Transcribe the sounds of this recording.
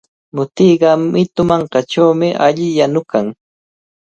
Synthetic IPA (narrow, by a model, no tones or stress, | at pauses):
mʊt̪iːɢɑmɪt̪ʊmɑɴqɑʈ͡ʂawmɪʔaʎɪjanʊkaŋ